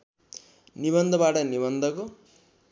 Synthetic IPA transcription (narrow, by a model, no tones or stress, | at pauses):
niβʌnd̪ʱʌbaʈʌniβʌnd̪ʱʌko